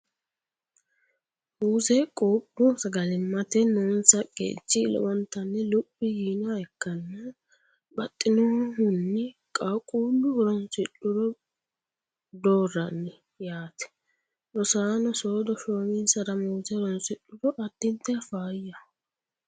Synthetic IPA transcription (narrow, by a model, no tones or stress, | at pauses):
uːzɛkʼoːpʼːʊsɐɡɐlɪmːɐt̪ɛnʊnsɐkʼḛːt͡ʃːɪlɔ̰wɔnt̪ːɐnːɛlʊpʼːɪjiːnaɛkːɐnːɐ | bɐt̪ʼːɪnɔhʊnːɪkʼakʼuːlːʊɔɾɔnsɪᶑʊɾɔ | d̪oːrːɐnːɪ | jaːt̪ɛ̥ | ɾɔsaːnɔsoːd̪ɔʃoːmɪnsɐɾɐmuːzɛɾɔnsɪɗːʊɾɔʔɐt̪ːɪnt̪ːɛfaːjɐ